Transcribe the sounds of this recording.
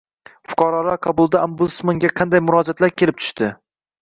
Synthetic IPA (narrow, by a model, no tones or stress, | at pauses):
fʊ̥qʰɑɾɒlaqʰɑbʊlˠd̪aambud̪smaŋɡʲaqʰɑnd̪ajmʊɾɒd͡ʒat̪laɾkʲʰelɪp̚t̪ʰʊ̥ʃt̪ɪ